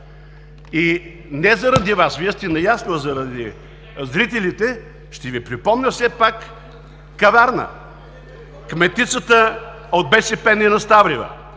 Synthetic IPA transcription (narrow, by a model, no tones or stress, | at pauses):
i | nɛzɐɾɐd̪ivasviɛst̪ɛnɐjasnozɐɾɐd̪i | zɾit̪ɛlit̪ɛ | ʃt̪ɛvipɾipɔmnʲəfsɛpakː | ɐvaɾnə̰ | kmɛt̪ːit̪sət̪ə | od̪̚bɛʃɛpɛninɐst̪avɾivə̰